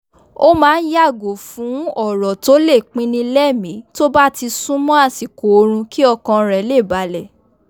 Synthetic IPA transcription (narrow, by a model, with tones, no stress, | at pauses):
o˦mãː˨˦n̩˦ja˦˨ɡo˨fũ˨˦ɔ˦˨ɾɔ˨to˦le˦˨k͡pĩ˦nĩ˧lɛ˦˨mĩ˨˦to˦ba˦ti˧sũ˦mɔ̃˦a˦˨si˨ko˨o˧ɾ̃ũ˧ki˦ɔ˧kɔ̃˧ɾɛ˨le˦˨ba˨˦lɛ˨